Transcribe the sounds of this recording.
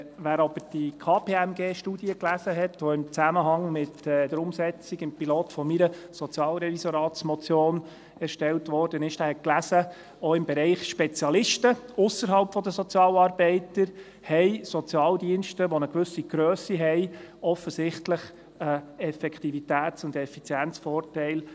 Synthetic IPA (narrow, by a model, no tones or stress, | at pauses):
ʋæːɾɑb̥əɾd̥ikʰɑːpʰeːæmɡeːʃtuːdiəklæzəɦɛtʋɔɪmt͡sæməɦɑŋmɪtɛd̥əɾʊmsɛt͡siɡɪmpiloːtfɔmiɾəsɔt͡sjɑːlɾɛvisoɾɑːtsmɔt͡sjoːn | ɛɾʃtɛltʋɔɾd̥ənɪʃdæːɾhɛt̚klæsə | oɪmbɛɾɛɪχʃpɛt͡sjɑlɪʃtəʊsəɾɦɑlpfɔd̪əsɔt͡sjɑːlɑːɾb̥ɛɪtəɾ | hɛɪsɔt͡sjɑːldiənʃtəʋonəɡʋʏsiɡ̥ɾøːsiɦɛɪɔfəsɪχtləχ | əɛfɛkʰtivitæːt͡sʊndɛfit͡sjænt͡sfɔːrtɛɪl